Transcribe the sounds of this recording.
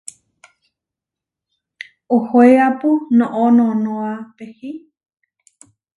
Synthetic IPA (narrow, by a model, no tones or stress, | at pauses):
ohoeapunõʔõnõnõapehi